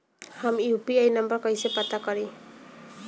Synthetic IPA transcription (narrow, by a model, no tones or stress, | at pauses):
hamupiajnʌmbʌɾkʌjsepʌt̪akʌɾi